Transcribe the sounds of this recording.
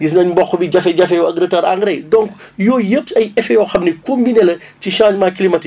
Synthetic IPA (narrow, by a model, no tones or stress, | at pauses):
jis̬nɐɲbɔxːbiɟɐfɛɟɐfɛjɔɐɡɾətaːɾa̰ŋɡɾɛjdɔŋk | jɔːjəpɐjɛfɛjɔːxɐmnɛkombinelɐ | ciʃaːɲmaːkilimɐti